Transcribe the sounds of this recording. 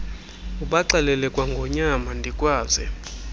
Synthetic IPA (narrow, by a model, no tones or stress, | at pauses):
uɓaǀalɛlɛkʼwaŋɡʱɔɲamandʱikʼwaːzɛ